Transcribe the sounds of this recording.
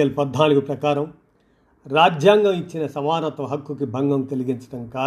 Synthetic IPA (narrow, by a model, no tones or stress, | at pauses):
elɐpɐd̪ʱnaːluɡupɾɐkaːɾɐm | ɾaːd͡ʒjaːŋɡɐmit͡ʃːinɐsɐmaːɾɐt̪oːɦɐkːukibʱɐŋɡɐmk̪ɐliɡiɲt͡ʃɐ̥ʈɐmkaː